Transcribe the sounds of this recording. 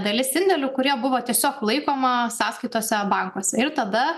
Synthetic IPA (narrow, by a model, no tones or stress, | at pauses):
d̪ɐlʲɪsɪnʲd̪ʲɛlʲʊkʊɾʲiɛbʊʋoːt̪ʲiɛsʲoːklˠɐɪkoːmɐsɑːskɐɪt̪oːsʲɛbɐŋkoɔsʲɛɪɾt̪ɐd̪ɐ